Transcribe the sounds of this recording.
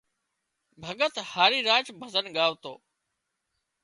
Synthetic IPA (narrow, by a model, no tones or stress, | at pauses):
bʱəɠət̪haːɾiːɾaːt͡ʃbʱəzənɠaːʋt̪o̰ː